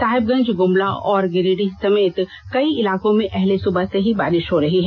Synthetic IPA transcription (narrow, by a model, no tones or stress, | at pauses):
saːɦɪb̚ɡɐ̃ɲd͡ʒɡʊmlaɔːɾɡɪɾiɖisɐmeːt̪ | kɐiɪlaːkõmẽʔɛɦlesʊbəseɦibaːɾɪʃɦoɾɐɦiɦɛː